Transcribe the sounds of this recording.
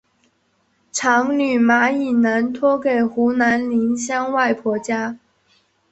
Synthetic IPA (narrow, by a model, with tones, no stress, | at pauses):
ʈ͡ʂʰɑ˧˥ŋny˨˩ma˧˥i˨˩na˧˥nt̪ʰwɔ˥ke˨˩ɪxu˧˥na˧˥nli˧˥nɕjɑ˥ŋwa˥˩ɪpʰwɔ˧˥t͡ɕja˥